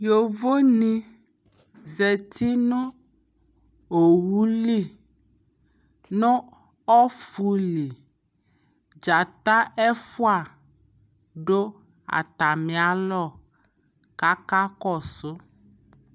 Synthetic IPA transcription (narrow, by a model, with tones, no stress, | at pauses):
jo˨vo˦nĩ˦ | ze˨t̪ʰi˦nɔ̃˦ | o˨wu˦li˦˨ | nɔ̃˦ | ɔ˦fu˨li˨ | d͡ʒa˨t̪a˦ʔɛ˦fu˦a˦˨ | ɖo˦ | a̰˨t̪a˨mĩ˨a˦lɔ˦˨ | ka˦ka˦kɔ˦˨so˦